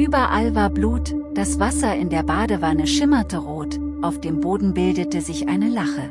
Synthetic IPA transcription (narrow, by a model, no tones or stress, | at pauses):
ʔyːbɐʔalvaːɐbluːtd̥asv̥asɐɪ̰ndeːɐbaːdəvanəʃɪmɐtəʁoːt | ʔaʊfd̥eːmboːdn̩bɪldətəzɪçʔa̰ɪnəlaχə